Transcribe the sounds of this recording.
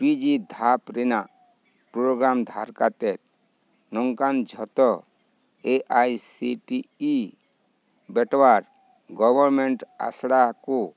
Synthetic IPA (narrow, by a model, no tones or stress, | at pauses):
pid͡ʒid̪ʱapɾena | pɾoɡɾamd̪ʱaɾkat̪ɛɾ̚ | nɔŋkand͡ʒʱɔt̪ɔ | eʔajsiʈiː | bɛʈwaɾ | ɡɔbɔɾmeɳʈa̰sɽaku